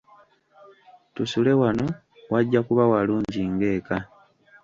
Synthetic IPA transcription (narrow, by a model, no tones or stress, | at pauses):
tusule̞wano̞ | waɟːakuβawaluːɲɟiŋɡe̞ːka